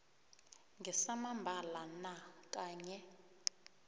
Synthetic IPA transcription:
ŋɡɛsamambʱalanakʼaːɲɛ

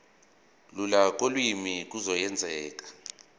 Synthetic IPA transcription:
lulak̬ʼolwimik̬ʼuzɔjɛnd͡zʱɛːk̬ʼḁ

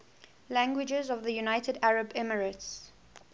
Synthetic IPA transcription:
læ̃ŋɡwɪd͡ʒəzɔvðəjunaɪtʰədaɹəbɛməɹəts

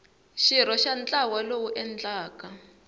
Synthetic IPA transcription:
ʃiɾ̤ɔʃant͡ɬʼawalowuʔɛnd͡ɮaːka

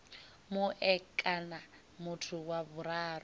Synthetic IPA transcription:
muʔɛkʼana | mutʰuwaβuɾaːrɔ

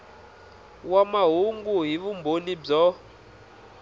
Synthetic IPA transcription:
wamaɦuŋɡuɦiβumbʱonib͡ʐɔ

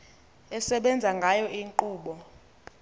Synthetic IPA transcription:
ɛsɛɓɛnd͡zʱaŋɡʱajɔʔiŋǃuːɓɔ

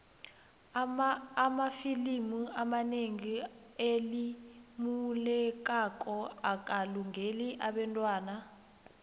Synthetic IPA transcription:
amafilimuamaneŋielimulɛk̬ʼakʼɔak̬ʼaluŋeliʔaɓɛntʼwaːna

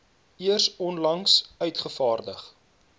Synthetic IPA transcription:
iərsɔnlɐŋsœɥtχəfɑːrdəχ

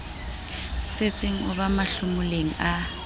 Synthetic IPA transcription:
set͡sʼɪŋ̩ʊβamaɬʊmʊleŋ̩a

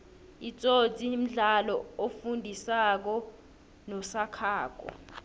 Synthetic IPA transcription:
it͡sʼotʼim̩ɮalɔofundʱisak̬ɔ | nɔsakʰaːk̬ʼɔ̰

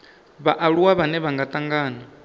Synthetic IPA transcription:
βaʔaɺuwaβanɛβaŋɡat̪ʼaŋɡaːna

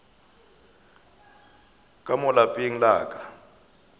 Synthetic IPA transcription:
kʼamɔlapʼiŋ̩laːkʼḁ

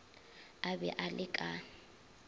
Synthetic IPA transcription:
abɛ̰ʔalɪkʼa

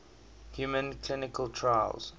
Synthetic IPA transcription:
hjumə̃nkʰlinɪkəlˠtʰɹaj̰lz̥

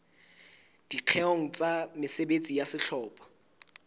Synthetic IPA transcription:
d̥iq͡χʰɛoŋ̩t͡sʼamɪsebet͡sʼijasɪɬʰɔːpʼɔ̥

